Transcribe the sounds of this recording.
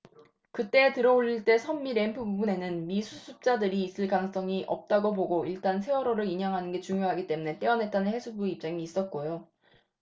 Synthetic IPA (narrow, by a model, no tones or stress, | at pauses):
kɯt͈e̞ːtɯɾʌoʎːiɭt͈e̞sʰʌmːiɾe̞mpʰɯbubune̞nɯnmisʰusʰup̚t͡ɕ͈adɯɾiːs͈ɯɭkanɯŋs͈ʌŋiʔʌp̚t͈aɡoboɡoiɭt͈ansʰe̞wʌɾoɾɯɾiɲɦaŋɦanɯnɡe̞t͡ɕuŋjoɦaɡit͈e̞mune̞t͈eʌnɦe̞t̚t͈anɯnhe̞sʰubuip̚t͡ɕ͈aŋiːs͈ʌt̚k͈ojo